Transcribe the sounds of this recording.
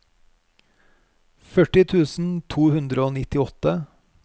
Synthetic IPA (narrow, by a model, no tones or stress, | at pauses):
fœʈɪt̪ʰʉːsn̩t̪ʰuːhʉnd̪ɾəoːnɪt̪ɪɔt̪ə